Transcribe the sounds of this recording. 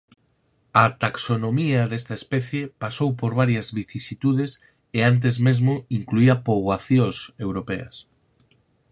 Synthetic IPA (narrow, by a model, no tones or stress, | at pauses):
ɐt̪aksonomiɐðest̪ɐespɛθjepasowpoɾβaɾjɐzβiθisit̪uð̞es | eant̪̬ezmezmʊiŋkluiɐpoβwaθjosewɾopeɐ̰s